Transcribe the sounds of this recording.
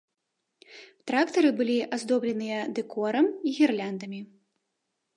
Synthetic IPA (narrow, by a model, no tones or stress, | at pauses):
t̪ɾakt̪ɐɾɨbɨlʲiʔazd̪ɔblʲɛnɨjɐd̪ɛkɔɾɐmiɣʲirlʲand̪ɐmʲi